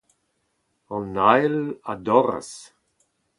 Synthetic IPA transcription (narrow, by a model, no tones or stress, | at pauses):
ɔnajladɔɾa̰s